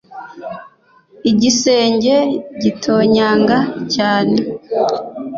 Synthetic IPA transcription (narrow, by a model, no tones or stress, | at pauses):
iɟise̞ːɲɟe̞ɟitʰo̞ːɲaːŋɡacaːne